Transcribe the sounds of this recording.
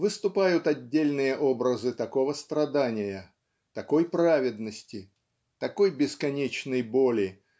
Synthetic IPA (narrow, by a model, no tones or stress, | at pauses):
vɨst̪ʊpajʊt̪ɐdʲːelʲnɨjəʔo̞bɾəzɨt̪ɐko̞vəst̪ɾɐd̪anʲɪjə | t̪ɐko̞jpɾavʲɪd̪nəsʲtʲɪ | t̪ɐko̞jbʲɪskɐnʲet͡ɕnəjbolʲɪ